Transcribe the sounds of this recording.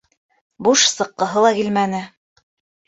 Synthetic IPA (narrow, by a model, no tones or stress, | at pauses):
buʃsɤ̆qːɤ̆ɦɤlˠɑkilmænɘ